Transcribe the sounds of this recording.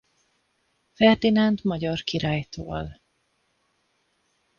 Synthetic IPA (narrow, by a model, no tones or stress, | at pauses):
fɛrd̪inɛnt̪mɒɟɒrkiɾaːjt̪ʰo̰ːl